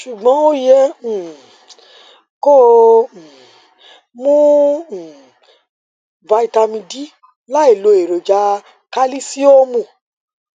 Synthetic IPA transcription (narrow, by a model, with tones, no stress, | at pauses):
ʃu˨ɡ͡bɔ̃˨˦o˦jɛ̃˧˨ | ko˦˨ | mũ˦˨ | va˧˦i˧ta˧mĩ˧di˦ | la˦i˦˨lo˨˦e˨ɾo˨d͡ʒa˨˧ | ka˦li˦si˦o˦mũ˦˨